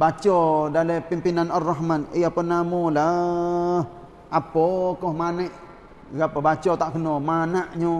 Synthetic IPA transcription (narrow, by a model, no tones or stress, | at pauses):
bat͡ʃɔdalepimpinanaraɦmaniaponamula | ʔapokɔhmanəʔ | ɡapəbat͡ʃɔt̪aʔkənomanaʔɲo